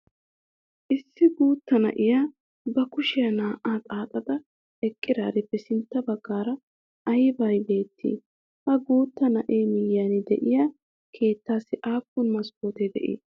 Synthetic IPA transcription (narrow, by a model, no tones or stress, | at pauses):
ʔɪsːɪɡuːt̪ːɐnɐ̰ʔɪjaː | bɐkʊʃɪjɐnaːʔaːt̪ʼaːt̪ʼɐd̪ɐ | ɛkʼːɪɾaːɾɪbɛsɪnt̪ːɐbɐɡːaːɾɐ | ʔɐjɪbɐjbe̞ːt̪ʰːḭː | hɐɡuːt̪ːɐnɐʔeːmɪjːaːnɪd̪ɛ̰ʔɪjaː | kʰe̞ːt̪ːaːsɪʔaːkːʊnmɐskoːt̪ɛd̪ɛ̰ʔḭː